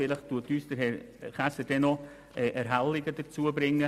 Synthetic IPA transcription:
ɪləχttuətyːsd̥əɾhɛːɾχasəd̥ɛnɔ | ʔɛːʔɛɾɦalːɪɡəd̥əɾt͡suəbɾɪŋːə

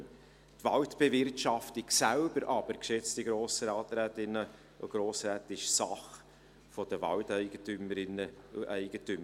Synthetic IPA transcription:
t̪ʋɑltb̥ɛvɪrtʃɑftɪksælbəɾʔɑb̥əɾkʃɛt͡stiɡɾoːsɾɑːtɾæːtɪnə | o̰ɡ̥ɾoːsɾæːt̪ɪʃsɑχ | fɔd̥əʋɑ̰ltɛɪɡətyməɪnəʔɛɪɡ̥ətʏm

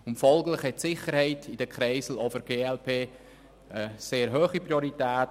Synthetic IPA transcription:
ʊmfɔlˠɡlɪχhɛtsɪχəɾhɛɪtid̥əkʰχɾɛɪsl̩ɔfəɾɡ̥eːɛlpʰeː | əseːɾɦøːχipɾioɾitɛːt

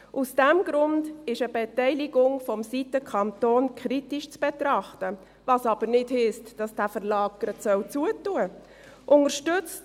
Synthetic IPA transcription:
ʔusd̥ɛmɡ̥ɾʊndɪʃəbɛtɛɪlɪɡʊŋfɔmsitəkʰɑntoːnkʰɾitiʃt͡sb̥ɛtɾɑχtə | vɑsɑb̥əɾnɪdhɪstd̥ɑsd̥æfəɾlɑːɡəɾətsœwt͡suətuə | ʔʊŋəɾʃtʏt͡st

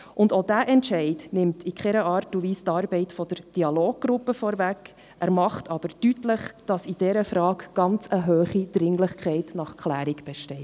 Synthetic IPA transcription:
ʔʊndoːdæːʔɛntʃɛɪdnɪmtʰikʰχɛɾəʔɑːɾtuviːstɑːɾbɛɪtfɔd̥əɾd̥iɑloːɡ̚ɡ̥ɾʊpːəfɔːɾvæk | ʔæɾmɑχtʰɑb̥əɾd̥ytləχd̥ɑsid̥ɛɾəfɾɑːkɡ̥ɑnt͡səɦøːχid̥ɾɪŋlɪχkʰɛɪtnɑχkχlæːɾikb̥ɛʃtɛɪ

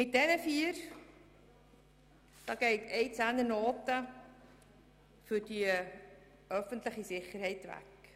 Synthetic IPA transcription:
mɪt̚d̥ɛnəfiər | d̥ɑːɡ̥ejtʰejt͡sændənoːtə | fyrdi | œfəntləχisɪχərhɛjtʋæ̰k

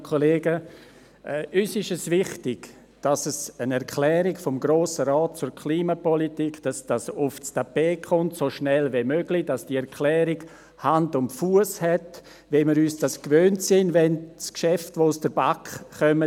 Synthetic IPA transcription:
kʰoleːɡə | ʔɛʔysɪʃəsvɪχtɪɡ̥ | d̥asəsənɛɾkʰlɛːɾɪɡfɔmɡɾoːsəɾɔːt̚t͡sʊɾkʰliːmapɔlitikd̥asd̥asʊfstapeːkʰχʊntsoʃnɛlvemøɡlid̥asd̥iɛɾkʰlɛːɾɪɡ̥ | handʊmfuəshɛt | vɛmɪɾyːsd̥askvøːntsɪnvɛnskʃɛftʋoʊsd̥əɾbakːœmə

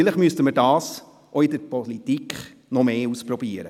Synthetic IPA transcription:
ɪləχmyəstəməɾdɑːs | ʔoɪdəɾpɔlitikχ | nɔmeːuspɾɔbiːəɾə

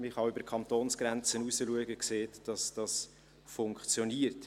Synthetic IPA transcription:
mɪχɑøbəɾkʰɑnt̪oːnsɡ̥ɾɛnt͡sənusəluəɡəkseːtd̥ɑsd̥ɑs | fʊŋkt͡sjɔniːərt

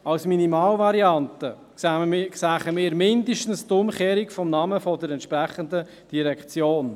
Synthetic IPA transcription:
ɑwsminimɑːlvɑɾiɑntə | ksæːχəmɪːɾmɪndəʃtən̩stʊmχeːɾikfɔmnɑməfɔdəɾɛntʃpɾæχənd̪ə | d̥iɾɛkχt͡sjoːn

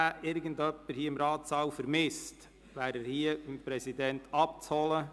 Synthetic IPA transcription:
æɪɾɡəndœpːəɾhiːɪmɾɑːtsɑːwfəɾmɪst | ʋæːɾæːɾhiːəɪmpɾɛsidɛntɑp̚t͡shɔlə

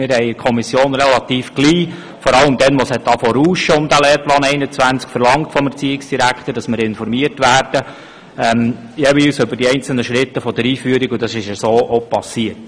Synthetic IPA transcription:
mɪɾhɛɪkʰɔmisjoːnɾɛlɑt̪iːfɡ̥liː | fɔɾɑləmd̪ɛnʋɔshɛt̚d̥ɑfɔɾuːʃəʊmd̥̪æleːɾplɑːnɛɪnət͡sʋænt͡skfəɾlɑŋtfɔmɛt͡siːɪksd̥iɾækχt̪əd̥ɑsmɪɾɪnfɔɾmiərtʋæːrd̥ə | ɛm | jeːʋiːlsʏbəɾdiɛɪnt͡sl̩nəʃɾɪt̪ːəfɔd̥əɾiːfyəɾiɡʊd̥ɑsɪʃəsoːʔopɑsiəɾt

